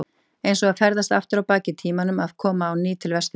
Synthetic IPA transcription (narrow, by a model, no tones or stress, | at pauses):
ejnsɔɣaðfɛɾðast̪a̰ft̪ʏɾawpaːcɪt̪ʰiːmanʏmaðkʰɔːmaːwniːt̪ʰɪlvɛst̪